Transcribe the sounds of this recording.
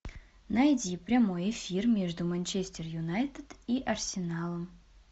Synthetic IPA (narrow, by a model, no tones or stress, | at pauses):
nɐjdʲipɾʲɐmo̞jɪfʲirmʲe̞ʐd̪ʊmɐnʲt͡ɕesʲtʲɪrjʊnajt̪ət̪iʔɐrsʲɪnalˠəm